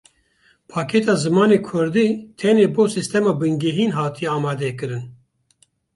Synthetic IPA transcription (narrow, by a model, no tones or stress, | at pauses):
pʰɑːkʰɛt̪ɑːzɨmɑːneːkʰʊɾd̪iːt̪ʰɛneːboːsist̪ɛmɑːbɨŋɡɛɦiːnɦɑːt̪ʰijɛaːmɑːd̪ɛkɨɾɨn